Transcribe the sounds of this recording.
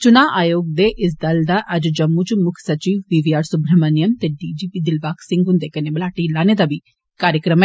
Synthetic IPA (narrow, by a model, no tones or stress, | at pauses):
t͡ʃʊnaːʔaːjoːɡ̚d̪eːʔɪs̬d̪ɐld̪aːʔɐd͡ʒd͡ʒɐmːut͡ʃmʊkʰsɐt͡ʃiːʋʋiːʋiːaːɾsʊbɾəmənɪjəmt̪eɖiːd͡ʒiːpiːd̪ɪlbaːkʰsɪ̃ŋɡɦʊ̃nd̪eːkɐneːblaːʈilaːned̪aːbiː | kaːɾjəkɾəmɛ